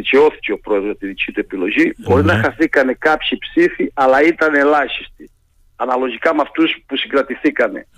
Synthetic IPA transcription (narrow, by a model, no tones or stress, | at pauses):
iceo̞θi̥ceo̞pɾo̞e̞ðɾot̪iðicit̪ue̞pilo̞ʝibo̞ɾinɐxɐθikɐne̞kɐpçipsifiɐlɐit̪ɐneːlɐçist̪i | ɐnɐlo̞ʝikɐmɐft̪uspusiŋɡɾɐt̪iθikɐne̞̰